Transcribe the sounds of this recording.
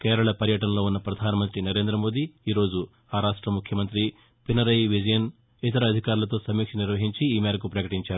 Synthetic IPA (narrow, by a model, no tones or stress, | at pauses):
keːɾɐɭɐpɐɾjɐʈɐnɐlo̞ːunːɐpɾɐd̪ʱaːnɐmɐnt̪ɾinɐɾe̞ːnd̪ɾɐmo̞ːd̪iːiːɾo̞ːd͡ʒu | aːɾaːʂʈɾɐmukʰjɐmɐnt̪ɾi | pinɐɾɐjʋid͡ʒɐjɐn | it̪ɐɾɐːd̪ʱikaːɾulɐt̪o̞ːsɐmiːkʂɐniɾʋɐɦiɲt͡ʃiiːmeːɾɐkupɾɐkɐʈiɲt͡ʃaːɾu